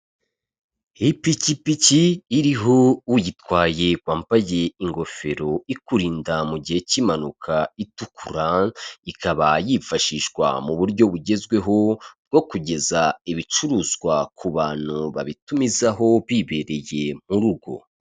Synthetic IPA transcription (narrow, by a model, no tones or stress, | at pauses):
hipicipiciːɾiɦoujitwaːje̞ɡwaːmpaje̞iŋɡo̞fe̞ɾo̞ikuɾiːndamuɟihe̞cimanukʰaitukuɾaikaβajifaʃiʃɡwa̰muβuɾɟo̞βuɟe̞zɡwe̞ɦo̞b̚ɡo̞kuɟe̞zaiβit͡ʃuɾuːzɡwakʰuβaːn̥huβa̰βitumizaɦo̞βiːβe̞ɾe̞je̞muɾuɡo̞̰